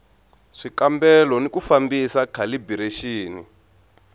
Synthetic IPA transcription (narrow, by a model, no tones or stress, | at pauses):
ʂikambɛlɔnikufambisakʰalibiɾeʃiːni